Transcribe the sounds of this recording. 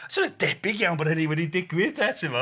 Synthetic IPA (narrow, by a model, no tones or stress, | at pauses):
sɔɾədɛbɪɡjawnbɔdhəniwɛdidɪɡwɪðdɛtʰɪvɔ